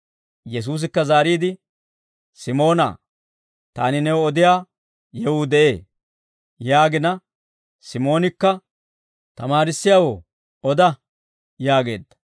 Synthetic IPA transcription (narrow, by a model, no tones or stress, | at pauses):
jɛs̬uːs̬ɪkːɐzaːɾiːd̪ɪ | sɪmo̞ːna̰ː | t̪aːnɪnɛwɔd̪ɪjaː | jɛwʊd̪ɛʔe̞ː | jaːɡɪnɐ | sɪmo̞ːnɪkːɐ | t̪ɐmaːɾɪsːɪjaːwoː | ɔd̪ɐ | jaːɡe̞̰ːd̪ːɐ̥